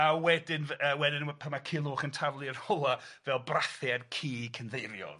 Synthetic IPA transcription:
awɛdɪnvəwɛdɪnpʰamakʰiːlˠʊːχəntʰavlˠɨərhɔlˠavɛlˠbraθɪadkʰiːkʰənðejɾjɔ̰ð

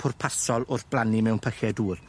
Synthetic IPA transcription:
pʰʊrpʰasɔlˠʊrθb̥lˠanimɛwnpʰəxɛduːr

